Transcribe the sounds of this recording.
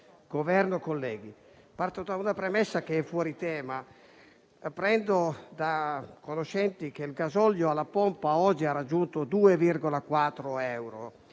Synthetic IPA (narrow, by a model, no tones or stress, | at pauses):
ɡ̥ovɛrnokolːɛːɡi | part̪od̪aunapɾɛmɛsːak̟eɛfːwɔːɾit̪ɛːma | pɾɛnd̪od̪akonoʃɛnt̪ikelɡazɔljoalːapɔmpaɔd͡ʒiarːad͡ʒːunt̪od̪uːevirɡolakwat̪ːɾoɛwɾo